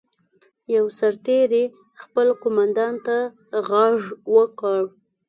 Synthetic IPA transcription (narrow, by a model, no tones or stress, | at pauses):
jawsaɾt̪eɾe | xpəlqomand̪ɑnt̪a | ɣɑʐwəkɑɽ